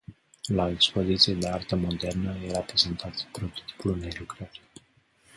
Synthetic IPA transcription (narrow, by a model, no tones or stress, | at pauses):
laekspo̞zit̪sijed̪e̞art̪əmo̞d̪e̞rnəjeɾapɾezent̪ʰat̪pɾo̞t̪o̥t̪i̥pulnelukɾəɾ